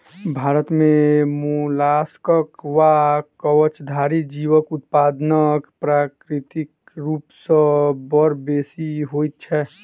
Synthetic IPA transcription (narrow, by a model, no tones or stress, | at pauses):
bʱaːɾət̪mẽmulaskəkʋakəwət͡ʃd̪ʱaɾid͡ʒiʋəkʊt̪̚paːd̪nəkpɾakɾɪt̪ik | ɾuːpsə̃bəɾbesiɦojt̪̚t͡ʃʰɛ